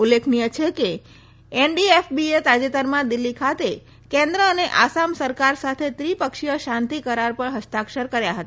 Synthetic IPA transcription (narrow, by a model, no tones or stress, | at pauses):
ulːekʰnijət͡ʃʰeke | enɖiefbiet̪ad͡ʒet̪əɾmãd̪ɪlːikʰat̪e | kẽnd̪ɾəːneʔasamsəɾkaɾsat̪ʰet̪ɾipəkʃijoʃãnt̪ikəɾaɾpəɳɦəst̪akʃəɾkəɾjaɦət̪a